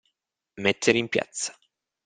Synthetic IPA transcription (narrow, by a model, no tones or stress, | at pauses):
met̪ʰːeɾeimpja̰t̪sːḁ